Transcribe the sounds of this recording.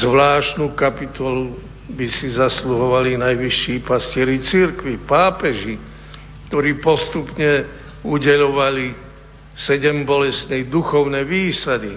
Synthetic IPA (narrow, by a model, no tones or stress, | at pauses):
zʋlaːʃt̪nuːkapit̪ɔlu | bisizasluɦɔʋalinajʋiʃːiːpascɪɛɾit͡siɾkʋipaːpɛʒi | kt̪ɔɾiːpɔst̪upɲɛ | uɟɛʎɔʋali | sɛɟɛmbɔlɛst̪nɛjd̪uxɔʊnɛʋiːsad̪i